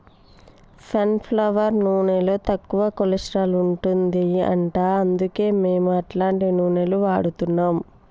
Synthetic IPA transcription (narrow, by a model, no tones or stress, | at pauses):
sɐnpʰlɐʋɐɾnuːɳeloːt̪ɐkːuʋɐkolisɾaːluɳʈund̪iɐ̰ɳʈaːɐnd̪uke̞ːme̞ːmuɐʈlaːɳʈinuːɳeluʋaːɽut̪unːaːm